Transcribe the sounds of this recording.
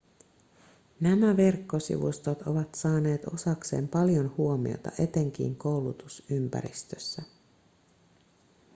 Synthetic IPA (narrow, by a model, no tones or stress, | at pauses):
næmæʋerkːo̞sḭʋṵst̪ot̪o̞ʋɑt̪sɑːne̞ːt̪o̞sɑkse̞̰ːmpɑljo̞nhuo̞mḭo̰t̪ɑ̰ʔe̞t̪e̞ŋk̟ḭːŋko̞wlut̪usympæ̰ɾḭst̪øsːæ